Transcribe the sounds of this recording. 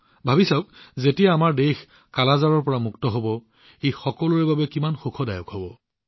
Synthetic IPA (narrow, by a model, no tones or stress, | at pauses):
bʱabisaʊk̚zetijaːmaɹdex | kalazaɹɔɹpɔɹamuktɔɦobɔ | ejxɔkɔlɔɹɛbabɛkimanxukʰɔdajɔkɦɔbɔ